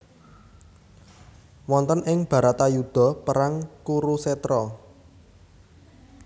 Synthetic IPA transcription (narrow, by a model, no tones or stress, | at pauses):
wɔnt̪ənɪŋb̥ä̤ɾat̪ajud̪̥ɔ̤pəɾaŋkuɾusɛt̪ɾɔ